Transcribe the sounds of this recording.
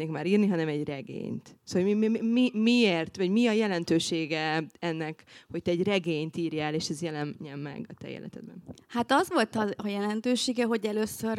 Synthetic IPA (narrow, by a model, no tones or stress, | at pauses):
neːkmaːɾiːrniɦɒnɛmɛɟrɛɡḛːɲt̪sooimmimieːrt̪vɒɟmiɒjɛlɛnt̪øːʃeːɡɛɛnːɛkho̞c̚t̪ɛːɟrɛɡeːɲt̪iːrjaɛleːʃɛzjɛlɛmɲɛmːɛ̰ɡɒt̪ɛ̰jḛːlʔɛ̰t̪ɛd̪̚bɛ̰nhat̪ɒzʋo̞lt̪ɒjɛlɛnt̪øːʃeːɡɛɦo̞ɟɛløːsːør